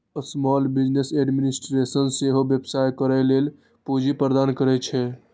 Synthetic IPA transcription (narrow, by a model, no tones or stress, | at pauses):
əsmɔlbid͡ʒneseɖminisʈɾesənseɦobjəbsajkəɾɛlel | pud͡ʒipɾəd̪aːnkəɾɛt͡ʃʰɛ